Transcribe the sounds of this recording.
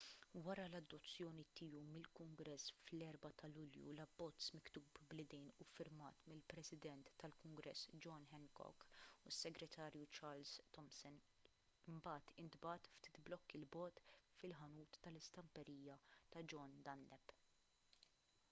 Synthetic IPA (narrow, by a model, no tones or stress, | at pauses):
wɐɾɐlɐd̪ːɔt͡sːjɔːnit̪ɪːumɪlkʊŋɡɾɛsːflɛɾbɐt̪ɐlʊljṵlɐbːɔt͡sːmɪkt̪uːbblɪd̪ɛjnufɪɾmɐ̰ːt̪mɪlpɾɛsɪd̪ɛnt̪ːɐlkʊŋɡɾɛsːd͡ʒɔnħɛnkɔ̰kusːɛɡɾɛt̪ʰɐːɾjut͡ʃɐːɾlzt̪ɔmsɔn | ɪmbɐːt̪ɪnd̪bɐt̪ft̪i̥ːt̪blɔkːilbɔːt̪fɪlħɐnuːt̪ːɐlɪst̪ɐmpɛɾiːjɐt̪ɐd͡ʒɔnd̪ɐnːɛp